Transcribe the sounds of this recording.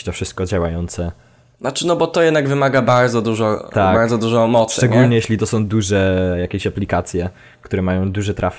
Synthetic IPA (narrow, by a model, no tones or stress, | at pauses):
t̪ɔfʂɘst̪̚kɔd͡ʑawajɔnt̪sɛ | nat͡ʂɘnɔbɔt̪ɔjɛd̪naɡvɘmaɡabaɾd̪zɔd̪uʐɔt̪abaɾd̪zɔd̪uʐɔ̃mɔt̪sʂt͡ʂɛɡɲulɲɛjeɕlʲit̪ɔsɔ̃w̃d̪uʐɛjakʲeɕaplʲikat̪sʲjɛ | kt̪uɾɛmajɔ̃w̃d̪uʐɛt̪ɾʔaf